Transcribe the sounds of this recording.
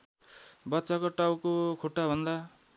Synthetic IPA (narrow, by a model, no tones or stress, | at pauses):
bʌt̪ːsakoʈawkokʰoʈːabʱʌnd̪a